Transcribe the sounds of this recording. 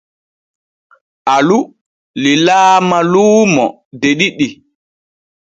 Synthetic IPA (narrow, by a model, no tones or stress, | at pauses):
ʔalu | lilaːmaluːmɔ | deɗiɗi